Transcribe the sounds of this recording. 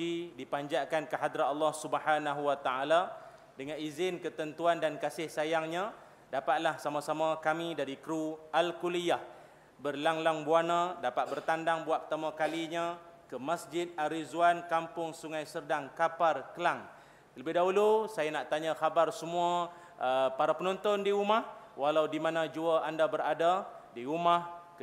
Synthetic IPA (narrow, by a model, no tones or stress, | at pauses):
idipaɲd͡ʒaʔkankəɦad̪ɾat̪̚ɑlːahsubəhanaɦuwat̪aʔala | dəŋanizɪnkət̪ənt̪uandankasɪhsajaŋɲã | dapat̪̚lahsamãsamãkamĩdaɾikɾualkulijah | bərlaŋlaŋbuanãdapat̪̚bərt̪andaŋbuaʔ̪̚pət̪amãkaliɲãkəmasd͡ʒɪt̪̚aɾizuankampʊŋsuŋajsərdaŋkaparkəlaŋ | ləbɪɦdaɦulusajanaʔt̪aɲãxabarsəmũa | əpaɾapənɔnt̪ɔndiɾumahwalawdimanãd͡ʒuaʔandabəɾadadiumahk